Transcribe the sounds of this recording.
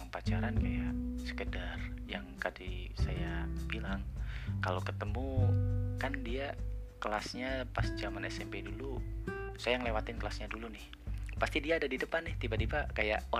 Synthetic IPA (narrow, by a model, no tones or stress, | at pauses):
pat͡ʃaɾankajaʔsə̥kədarjaŋkadisajabilaŋkalokət̪əmukandiakəlasɲapasd͡ʒamanɛsɛmpedulusajaŋəlewat̪ɪnkəlasɲadulunɪh | past̪idiaːdadidəpanːɪht̪ibad̪ibakaja̰ʔo